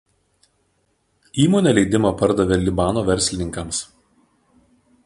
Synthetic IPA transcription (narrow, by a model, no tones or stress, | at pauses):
iːmoːnʲeːlʲɛɪd̪ʲɪmɐpɐɾd̪ɐʋʲelʲɪbɑːnoːʋʲɛɾʲsʲlʲɪnʲɪŋkɐms